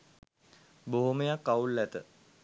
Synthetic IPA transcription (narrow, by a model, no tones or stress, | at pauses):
boɦoməjakːaulːæt̪ə